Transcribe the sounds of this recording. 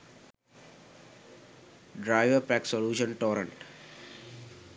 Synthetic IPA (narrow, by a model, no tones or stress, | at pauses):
ɖɾaɪʋəɾpæksoluːʃə̃nʈoːɾə̃ɳʈ